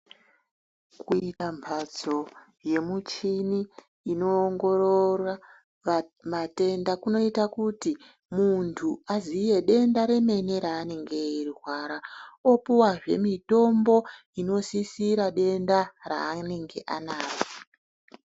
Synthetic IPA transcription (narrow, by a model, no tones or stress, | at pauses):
kuitampʰad͡zo̞ | je̞mut͡ʃiniː | no̞ːŋɡo̞rora | mate̞ndakuno̞itakuti | muntʰuazije̞ɗe̞ndaɾe̞me̞ne̞ɾaːne̞ŋɡe̞irirwaːɾaopuwaʐe̞̰mito̞mbo̞ | ino̞sisiɾaɗe̞ndara̰ːne̞ŋɡe̞ʔa̰naːko̥